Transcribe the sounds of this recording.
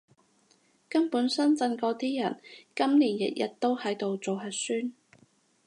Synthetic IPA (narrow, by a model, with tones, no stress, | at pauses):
kɐ˥npuː˨˥nsɐ˥nt͡sɐ˧nkɔː˧t̪iː˥jɐ˨˩nkɐ˥mniː˨˩njɐ̰˨t̚jɐ̰˨t̚t̪o˥whɐ˨˥jt̪o˨wt͡so˨wɦɐ˨˩tsyː˥n